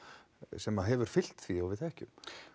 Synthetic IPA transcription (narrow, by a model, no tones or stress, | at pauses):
sɛmaðɦɛvʏɾ̥fɪl̥t̪θiawvɪðθɛhcʏm